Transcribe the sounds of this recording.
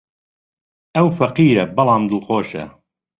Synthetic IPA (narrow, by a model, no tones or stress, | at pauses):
ʔɐwfɐqiːɾɐbɑlˠɑːmd̪əlxoːʃɐ̰